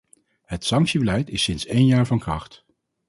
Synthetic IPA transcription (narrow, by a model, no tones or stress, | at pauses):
ɦətsɑŋksibəlɛjtɪsɪnsejnjaːɹvɑnkrɑχt